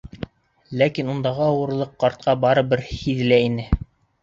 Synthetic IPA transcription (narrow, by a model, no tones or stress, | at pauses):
lækinund̪ɑʁɤɑwɤ̆ɾlˠɤqːɑɾt̪̚qʰɑbɑɾɤ̆bɘɾhiðlæinɘ